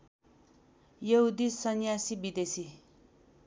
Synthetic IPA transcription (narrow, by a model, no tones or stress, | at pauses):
jʌɦud̪isʌnjasibid̪esi